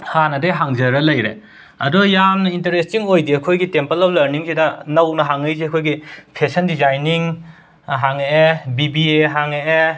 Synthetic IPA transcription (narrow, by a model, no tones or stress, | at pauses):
hanɐdejɦaŋzɐɾɐlɐjɾḛ | ɐdɔjamnɐintɐɾestiŋojdiɐkʰojɡitempɐlowlɐɾniŋsidɐnɐwnɐɦaŋɐjziɐkʰojɡipʰesɐndizajniŋ | ɦaŋeebibieɦaŋee